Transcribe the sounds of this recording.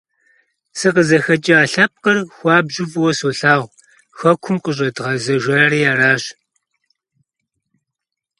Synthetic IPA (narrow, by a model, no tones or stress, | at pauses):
sɨqəzɐxɐt͡ʃʼiaːɬɐp̚qɐrxʷɑːbʑɪvʼwɔsoːɬaːʁʷ | xɐkʷʰʊmqəɕ̬ʼɐdʁɐzɐʒʷɐɾiːjaːraːɕ